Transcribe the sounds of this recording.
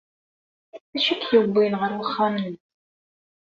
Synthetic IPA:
æʃækjəbʷːinʁəɾwəχːamən

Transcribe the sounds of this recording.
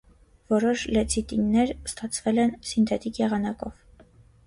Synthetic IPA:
vɔɾɔʃlɛt͡sʰit̪inːɛɾst̪ɑt͡sʰvɛlɛnsint̪ʰɛt̪ikjɛʁɑnɑkɔv̥

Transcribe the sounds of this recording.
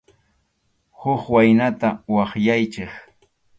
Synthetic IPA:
hʊχwajnat̪awɑχjajt͡ʃɪχ

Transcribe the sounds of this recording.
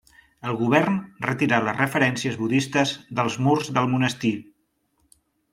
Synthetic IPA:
əlˠɣuβ̞ɛrnrət̪iɾaləzrəfəɾɛnsiəzβuðist̪əzðəlˠzmurzðəlˠmunəst̪i

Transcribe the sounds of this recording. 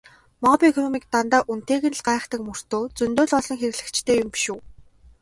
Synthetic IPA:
mɔpʲiekʰɔnɔmik̚t̪ant̪aːʔun̥t̪eːɣɘ̆nɮɢaːχt̪ə̆kmɵr̥t̪oːt͡sɵnt̪oːɮɔɮɞ̆ŋxeɾɘ̆ɣɮɘ̆kt͡ɕt̪ʰeːjʊmpi̥ʃuː

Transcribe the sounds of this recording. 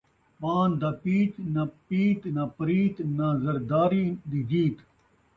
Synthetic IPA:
paːnd̪ɐpiːt̪nɐpiːt̪nɐpɐɾiːt̪nazɐɾd̪aːɾid̪id͡ʑiːt̪

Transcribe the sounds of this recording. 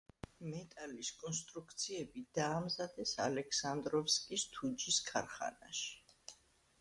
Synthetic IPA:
mɛt̪ʼaliskʼɔnst̪ʼɾukʰt̪sʰiɛbid̪aːmzad̪ɛsa̰lɛkʰsand̪ɾɔfskʼist̪ʰud͡ʒiskʰa̰ɾχa̰na̰ʃi̥

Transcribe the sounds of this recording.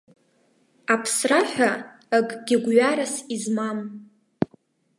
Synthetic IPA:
apʰsraħʷᶣaː | ɡʼɡ̥ʲɪɡʷɥaɾasizmam

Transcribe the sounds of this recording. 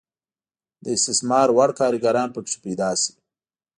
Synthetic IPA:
d̪əɪst̪ɪsmɑːɾwaɽkɑːɾəɡaɾɑːnpəʂi̥pejd̪ɑːsi̥

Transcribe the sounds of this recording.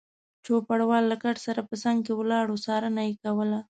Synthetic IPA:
t͡ʃopaɽawɑlːakaʈsaɾapəsaŋɡkewəlɑɽosɑɾənajekawəla

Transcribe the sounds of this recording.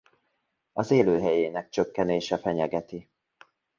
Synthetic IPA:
ɒzeːløːɦɛjeːnɛk̚t͡ʃøkːɛneːʃɛfɛɲɛɡɛt̪i

